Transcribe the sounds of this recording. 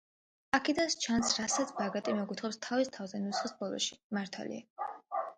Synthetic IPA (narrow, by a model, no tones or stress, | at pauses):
akʰid̪anst͡ʃʰansɾasat̪sʰbaɡat̪ʼimɛɡut̪ʰχɔpst̪ʰavist̪ʰavzɛnut̪sχisbɔlˠɔ̰ʃi̥maɾt̪ʰa̰lḭa